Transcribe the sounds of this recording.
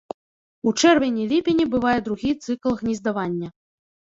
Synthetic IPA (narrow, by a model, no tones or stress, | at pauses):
ut͡ʂɛrvʲenʲilʲipʲinʲibɨvajɛd̪ɾuɣʲit̪sɨklˠɣnʲizd̪avanʲːɐ